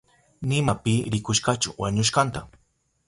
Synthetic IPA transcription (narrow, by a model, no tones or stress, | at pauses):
nɪmapɪɾɪkʊʃkat͡ʃʊ̰waɲʊʃkant̪a